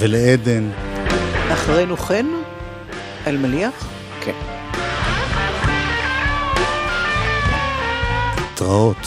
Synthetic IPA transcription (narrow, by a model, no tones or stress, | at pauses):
veleed̪en | aχʁejnuχen | ʔalmaliaχ | kʰen | t̪ʁaot̪